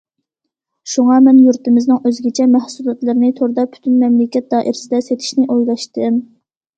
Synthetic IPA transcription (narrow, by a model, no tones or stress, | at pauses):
ʃuŋɑmɛnjuɾt̪ɨmɪznɨŋøzɡʲɛt͡ʃʰɛmæhsulˠɑt̪lˠɨɾnɨt̪ʰoɾd̪ɑpʰy̥t̪ʰynmɛmlɪkʲɛt̪̚d̪ɑːʔiɾsɪd̪ɛset̪ʰɪ̥ʃnɪʔojlˠɑʃt̪ɨm